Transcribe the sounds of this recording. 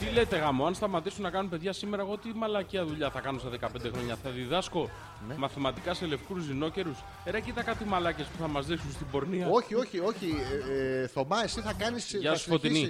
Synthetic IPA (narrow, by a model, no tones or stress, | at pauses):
t̪ilet̪e̞ɣɐmoɐnst̪ɐmɐt̪isunɐkɐnunpe̞ðʝɐsime̞ɾɐeɣo̞t̪imɐlɐciɐðuʎɐθɐkɐnosɐðe̞kɐpe̞nd̪e̞xɾo̞ɲɐθɐðiðɐsko̞ | nmɐθimɐt̪ikɐse̞le̞fkuzino̞ce̞ɾus | eɾɐcit̪ɐkɐt̪imɐlɐce̞spuθɐmɐzðiksunst̪ibo̞ɾniɐo̞çioçio̞çi | θo̞mɐesiθɐkɐnisʝɐssfo̞t̪ini